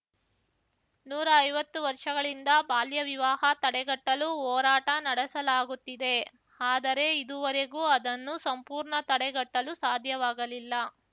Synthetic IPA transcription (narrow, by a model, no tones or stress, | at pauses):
nuːɾɐːjʋɐt̪ːuʋɐɾʂɐɡɐɭind̪ɐbaːljɐʋiʋaːɦɐt̪ɐɽɛɡɐʈːɐluɔːɾaːʈɐnɐɽɛsɐlaːɡut̪ːid̪e̞ | aːd̪ɐɾe̞id̪uʋɐɾeɡuːɐd̪ɐnːusɐmpuːɾɳɐt̪ɐɽɛɡɐʈːɐlusaːd̪ʱjɐʋaːɡɐlilːɐ